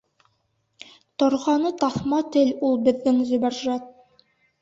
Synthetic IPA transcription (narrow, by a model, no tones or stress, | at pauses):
t̪ŏɾʁɑnɤt̪ɑθmɑt̪ɘlulˠbɘ̆ðːɘŋzɵ̆bæɾʒɑt̪̚